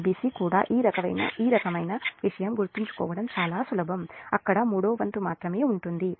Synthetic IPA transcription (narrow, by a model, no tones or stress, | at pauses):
biːsiːkuːɽa̰ːʔiːɾɐkɐʋɐ̰jnɐ̰iːɾɐkɐmɐjnɐʋiʂɐjɐmɡuɾt̪ːiɲt͡ʃu̥kɔ̰ːʋɐɽɐmt͡ʃaːlaːsulɐbʱɐmɐ̰kːɐɽɐmuːɽo̞ːʋɐnt̪umaːt̪ɾɐme̞ːuɳʈund̪i